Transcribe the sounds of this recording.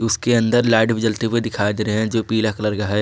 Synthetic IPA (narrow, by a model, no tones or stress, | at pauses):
ʊskeɐ̃nd̪əɾlaːɖbɪd͡ʒəlt̪iped̪ɪkʰaːid̪eːɾeɦɛ̃d͡ʒoːpiːlakləɾɡaɦɛ